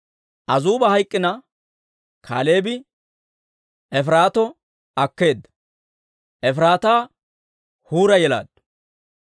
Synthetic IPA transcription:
ʔɐzuːbɐhɐjkʼːɪnɐ | kʰa̰ːleːbɪ | ɛfɾaːt̪ɔ | ɐkːe̞ːd̪ːɐ̥ | ɛfɾaːt̪aː | huːɾɐjɛla̰ːd̪̥

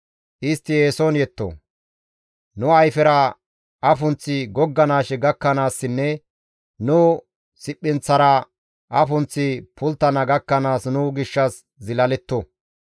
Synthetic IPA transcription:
ʔɪst̪ːɪjeːsonjɛt̪ːo̰ | nʊɐjfɛɾɐ | ʔɐfʊnt͡sːɪɡɔɡːɐnaːʃɛɡɐkːɐnaːsːɪnːɛ | nʊː | sɪpːɪnt͡sːɐɾɐ | ʔɐfʊnt͡sːɪpʰʊlt̪ːɐnɐɡɐkːɐnaːsnʊɡɪʃːɐs | zɪlɐlɛt̪ːɔ

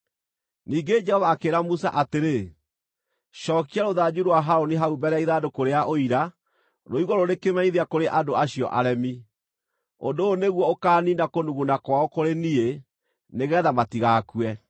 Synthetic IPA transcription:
niːɡed͡ʒɛhɔvaːkeːɾamusaʔateɾe | ʃɔːkiaɾoðad͡ʑuɾwaɦaɾoniɦaubɛɾɛaiðaːdokoɾeaʔoiɾa | noiɣɔɾonekemɛɲiðiakoɾeʔandoaɕiɔ̰ʔaɾɛmi | ondoːneɣwɔokaːnindakonuɣunakwaɔkoɾenie | neɣɛːðamatiɣakwɛ

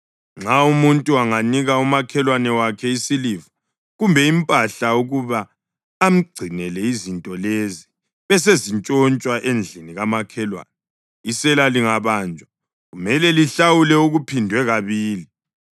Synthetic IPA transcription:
ŋ͡ǁaumuntʼuaŋaniɣaumakʰɛlwanɛwakʰɛisilivɔ | ɣumbʱɛimpʼaɬauɣuβaː | m̩ɡ͡ǀʱinɛlɛizintʼɔlezi | βɛs̬ezint͡ʃʼɔnt͡ʃʼwaʔend͡ɮʱiniɣamakʰɛlwa̰nɛ | isɛlaliŋaβaːnd͡ʒʱa | ɣumɛlɛliɬawulɛuɣupʰindʱwɛɣaβiːli

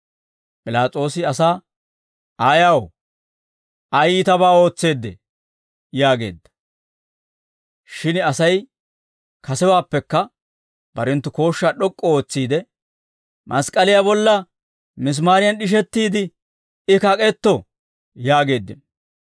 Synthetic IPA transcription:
pʼɪlaːt͡sʼo̞ːsɪɐsaː | aːjɐw | ɐjɪt̪ɐbaːo̞ːt͡sːe̞ːd̪ːɛ̰ | jaːɡe̞̰ːd̪ːɐ̥ | ʃɪnɐsɐj | kɐsɛwaːpːɛkːɐ | b̥ɐɾɛnt̪ːʊko̞ːʃːaɗɔkʼːɔoːt͡sːiːd̪ɛ | mʔɐskʼːɐlɪjabɔlːɐ | mɪs̬maːɾɪjɐnɗɪʃ̬ɛt̪ːiːd̪ɪ | ɪkɐkʼɛt̪ːɔ | jaːɡe̞ːd̪ːɪn

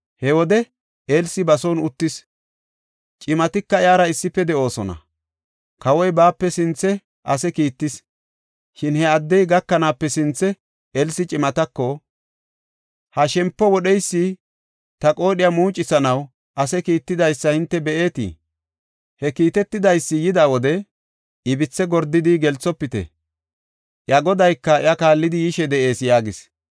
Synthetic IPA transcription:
hɛwɔd̪ɛ | elsɪbɐsonʊt̪ːɪs | t͡ʃʼɪmɐt̪ɪkːɐjaːɾɐɪsːɪpːɛd̪ɛʔo̞ːsɔnɐ̰ | kɐwɔjbaːpːɛsɪnt͡sːɛ | ʔɐsɛkiːt̪ːɪs | ʃɪnhɛɐd̪ːɛjɡɐkːɐnaːpːɛsɪnt͡sːɛ | ɛlsɪt͡ʃʼɪmɐt̪ɐkːɔ | hɐʃɛmpːɔwɔɗɛjsːi | t̪ɐkʼo̞ːɗɪjamuːt͡ʃʼːɪsɐnɐw | ʔɐsɛkiːt̪ːɪd̪ɐjsːɐhɪnt̪ːɛbɛʔe̞ːt̪ḭ | hɛkiːt̪ɛt̪ːɪd̪ɐjsːɪjɪd̪aːwɔd̪ɛ | ɪbɪt͡sːɛɡɔɾd̪ɪd̪ɪɡɛlt͡sːɔpːɪt̪ɛ̰ | ʔjɐɡɔd̪ɐjkːɐɪɐkaːlːɪd̪ɪjɪʃɛd̪ɛʔe̞ːsjaːɡɪs

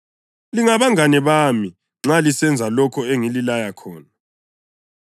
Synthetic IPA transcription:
liŋaβaŋanɛβami | ŋ͡ǁalisɛnd͡zʱalɔkʰɔeŋililajakʰɔːna

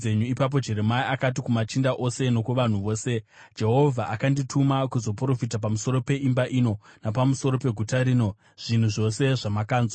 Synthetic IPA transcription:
e̞ɲuipap̬o̞d͡ʒe̞ɾe̞maiʔakat̬ikumat͡ʃindaʔo̞se̞no̞kuʋan̤uʋo̞ːse̞ | d͡ʒe̞ɦo̞vʱaʔakanditʰumakuzo̞pro̞fitap̬amuso̞ɾo̞pe̞ʔimbaʔino̞napamuso̞ɾo̞pe̞ɡʱutaɾiːno̞ | ʐ̥in̤uʐo̞se̞ʐamakaːnz

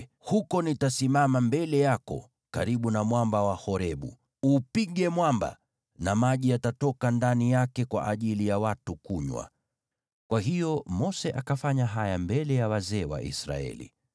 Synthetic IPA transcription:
hukɔnitasimamambɛlɛjakɔ̰ | ka̰ɾiɓunamwambawahɔɾɛɓṵ | upiɠɛmwamba̰ | namaʄijatatɔkandanijakɛkwa̰ʔaʄilijawatukuɲwa̰ | kwaɦijɔmɔsɛʔakafaɲaɦajambɛlɛjawazɛːwa̰ʔḭsɾa̰ɛ̰lḭ

